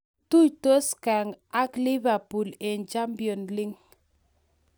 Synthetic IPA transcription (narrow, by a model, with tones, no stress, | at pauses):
tu˦˨jto˦ska˨ŋa˦kli˦va˨pu˨le˨nd͡ʒa˦mbjɔ˨nli˦ŋ